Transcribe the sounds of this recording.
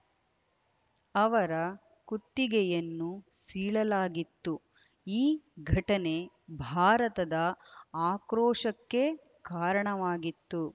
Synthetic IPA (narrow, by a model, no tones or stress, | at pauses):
ɐʋɐɾɐ | kut̪ːiɡɛjɐnːusiːɭɐlaːɡit̪ːu | iːɡʱɐʈɐne̞ | bʱaːɾɐt̪ɐd̪ɐaːkɾɔːʂɐkːe̞ | kaːɾɐɳɐʋaːɡit̪ːu